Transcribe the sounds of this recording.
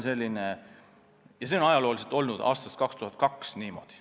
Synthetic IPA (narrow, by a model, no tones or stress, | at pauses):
nse̞lʲːine | jɑseonɑjɑlo̞ːlis̬et̪ːˑo̞lnud̪ɑ̰ːst̪ɑst̪̚kɑkst̪uhɑt̪̚kɑksniːmo̞̰d̪̥i̥